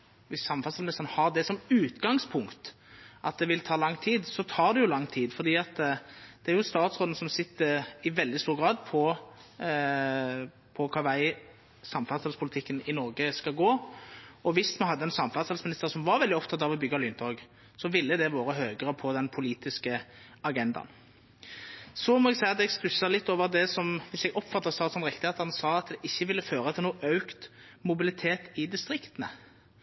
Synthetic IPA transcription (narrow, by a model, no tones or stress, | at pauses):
ʋɪsːɑmfɑslmɪnɪst̪ənəhɑʁd̪ɛsɔmʉːt̪ɡɑŋspʰʊŋkt̪ | ʔɑt̪̚d̪ɛʋɪlt̪ʰɑːlɑŋːt̪ʰiːd̪sɔt̪ʰɑːɾd̪ɛjʊlɑŋːt̪ʰiːd̪fɔɾd̪iːɑt̪d̪̥ɛæɾjʊst̪ɑːt̪sɾoːd̪nəsɔmsɪt̪ːəɪʋɛld̪ɪst̪uːɾɡɾɑːd̪pʰɔ | pʰɔkʰɑʋæɪ | sɑmfɑt̪sɛlspʰʊlɪt̪ʰɪkːənɪnɔɾɡəskɑɡoː | ɔʋɪsmɛnɦɑd̪ːəɛnsɑmfɑʁt̪sɑlsmɪnɪst̪əʁsɔmʋɑɾʋɛld̪ɪɔpt̪ʰɑt̪ːɑʋɔbʏɡːɑlʏnt̪ʰɔɡ | sɔʋɪlːəd̪ɛʋoːɾəɦøːɡəɾəpʰɔd̪ɛnpʰʊliːt̪ɪskə | ɑɡɛnd̪ɑ̰n | sɔmɔɛɡsæɪɑt̪ɛɡspʉsːɑlɪt̪ːoːʋəʁd̪ɛsɔmʋɪsɛɡɔpːfɑt̪ːəʁst̪ɑːt̪sɔmʁɪkt̪ɪɑt̪ɑnsɑːɑt̪d̪ɛʔɪçːəʋɪlːəføːɾət̪ʰɪlnuːʔœʉkt̪mʊbɪlɪt̪ʰeːt̪ɪd̪ɪst̪ɾɪkt̪ənə̰